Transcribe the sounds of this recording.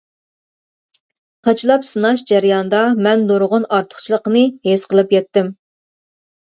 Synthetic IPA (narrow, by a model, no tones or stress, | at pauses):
qʰɑt͡ʃʰlˠɑpsɨnɑʃd͡ʒæɾjɑnd̪ɑmɛnd̪oɾʁʊnɑɾt̪ʰʊ̥χt͡ʃʰilˠəqənɨhesqəlˠɨpjɛt̪ːɪm